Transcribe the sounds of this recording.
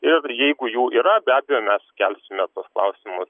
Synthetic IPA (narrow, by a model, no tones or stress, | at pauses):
ɪrjɛɪɡʊjuːiːɾɐbʲæːbʲɛjoːmʲɛskʲælʲsʲɪmʲɛt̪oɔsklˠɐ̰ʊsʲɪmʊs